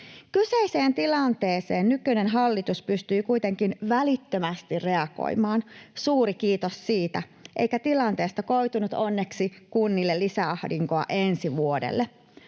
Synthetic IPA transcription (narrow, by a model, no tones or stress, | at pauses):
kyseiseːnt̪ilɑnt̪eːseːnnykønenɦɑlːit̪uspyst̪yːkujt̪e̞ŋkinʋælit̪ːømæst̪irrːe̞ɑko̰jmɑːnsuːɾikiːt̪ossiːt̪æ | ʔḛjkæt̪ilɑnt̪e̞ːst̪ɑko̞it̪unut̪onːe̞ksikunːilːelːisæɑhdiŋkoɑ̰ʔensiʋuodḛlːe